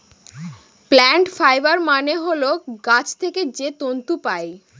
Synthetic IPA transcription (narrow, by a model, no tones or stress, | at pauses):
plɛɳʈfajbaɾmaneɦoloɡat͡ɕt̪ʰeked͡ʑet̪ont̪upae